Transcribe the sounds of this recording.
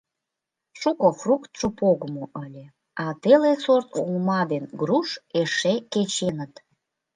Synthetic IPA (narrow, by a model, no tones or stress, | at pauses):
ʃukofrukt̪ʃopoɣəmoʔəlʲe | ɑt̪elesort̪uŋmɑd̪enɡɾuʃeʃeket͡ɕenət̪